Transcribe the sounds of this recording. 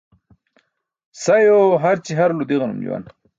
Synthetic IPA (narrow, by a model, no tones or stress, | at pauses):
sajoɦaɾt͡ɕiɦaɾlud̪iɣɐnṵmd͡ʑṵwa̰n